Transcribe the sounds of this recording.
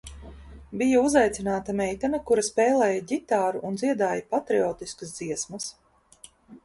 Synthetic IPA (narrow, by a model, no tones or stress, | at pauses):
bijauzajt̪sinaːt̪amɛjt̪anɐkuɾɐspɛːlˠɛːjaɟit̪aːɾuʔːnd̪ziɛd̪aːjapat̪ɾiɔːt̪iskəsd̪ziɛsmɐs